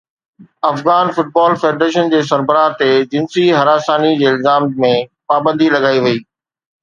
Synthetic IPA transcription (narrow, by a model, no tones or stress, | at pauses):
ɐfɣaːnfʊʈ̚baːlfeːɖɾeːʃ̬ənd͡ʑeːs̬ɐɾbəɾaːt̪ed͡ʑɪnsiɦɐɾaːsaːnid͡ʑeːɪlzaːmmẽpaːbə̃nd̪ʱilɐɡaːiʋɐiː